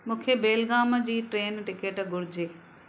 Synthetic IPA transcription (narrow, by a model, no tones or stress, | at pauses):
mũːkʰebeːlɡaːməd͡ʑiːʈɾeːnʈɪkeːʈɡʱʊɾɪd͡ʑeː